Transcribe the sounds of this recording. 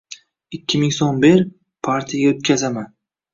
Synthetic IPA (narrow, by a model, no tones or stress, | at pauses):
ɪkʲːɪmɪŋsombeɾ | pʰaɾt̪ʰijaɡʲaot̪̚kʲʰazaman